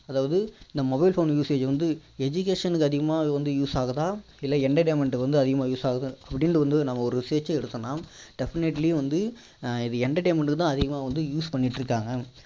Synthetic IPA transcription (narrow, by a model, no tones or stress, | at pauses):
ɐðaːʋɐðɯɪnd̪ɐmɔbɐɪlfoːnjuːseːd͡ʒʋɐnd̪ɯɛd͡ʒʊk̬eːʂɐnɯkːɯɐðɪɣɐmaːʋɐnd̪ɯjuːsaːɣɐt̪ãː | ɪlːɐɛɳɖɐʈ̬eːmɐɳʈɯkːʋɐnd̪ɯɐðɪɣɐmaːjuːsaːɣɐðɯɐpːɐɽɪnɽɯʋɐnd̪ɯnɐmːɐɔɾɯseːt͡ʃːɐɛɽɯt̪ːɐnaːmɖ̥ɛfɪnɛʈliʋɐnd̪ɯ | ɪðɯɛɳɖɐʈeːmɐɳʈɯkːɯt̪ãːɐðɪɣɐmaːʋɐnd̪ɯjuːspɐɳːɪʈːɾɯkːaːŋɡɐ